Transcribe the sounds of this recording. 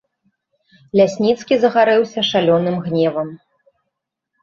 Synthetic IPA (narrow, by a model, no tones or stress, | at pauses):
lʲasʲnʲit̪skʲizɐɣaɾɛwsʲɐʂalʲɔnɨmɣnʲɛvɐm